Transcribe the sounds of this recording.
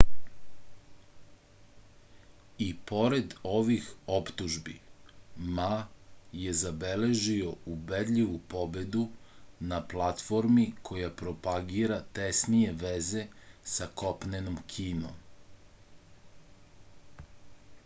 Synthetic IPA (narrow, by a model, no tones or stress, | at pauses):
ipo̞ɾe̞d̪o̞ʋixopt̪uʒbḭ | maje̞zabele̞ʒio̞ubed̪ʎʲiʋupo̞be̞d̪unaplat̪fo̞ɾmikʰo̞japɾo̞paɡiːɾat̪esnije̞ʋeze̞sako̞pnenomkʰiːno̰m